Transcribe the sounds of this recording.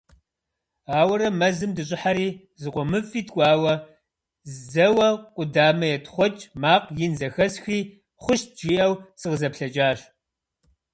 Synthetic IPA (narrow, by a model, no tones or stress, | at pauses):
aːwɐɾɐmɐzɨmdɨɕʼɪħaɾiː | zɨqʷɔmɨfʼiːtʰkʷʼɑːwɐ | zzɐwɐqʷʼʊdaːmɐjɛtχʷɔt͡ʃʼmaːqjɪnzɐxɐsxiː | χʷʊʃt̚d͡ʒiːʔɐwsɨʁzɐpɬɐd͡ʒʼaːɕ